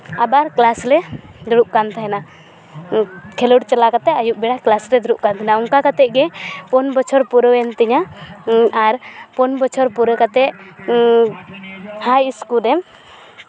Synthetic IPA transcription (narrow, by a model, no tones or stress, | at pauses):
abaɾklaslɛd̪uɽuʔ̚kant̪ʰaɦɛna | kʰɛluɽt͡ʃɛlakat̪ɛajuʔ̚bɛɽaklasɾɛd̪uɾuʔkant̪ʰɛnaɔŋkakat̪ɛʔ̚ɡɛpɔnbɔt͡ʃʰɔɾpuɾɔwɛnt̪ɛɲa | aɾpɔnbɔt͡ʃʰɔɾpuɾəkat̪ɛʔ | hajiskuɾɛm